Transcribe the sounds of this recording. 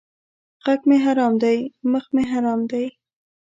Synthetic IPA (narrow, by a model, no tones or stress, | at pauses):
ɣakmeɦaɾɑmd̪ajməxmeɦaɾɑmd̪aj